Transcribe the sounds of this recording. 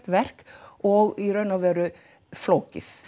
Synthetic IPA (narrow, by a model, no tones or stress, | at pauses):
t̪ʋæɾkʔoːɡiɾœnɔʋøːɾə | floːkɪ̰θ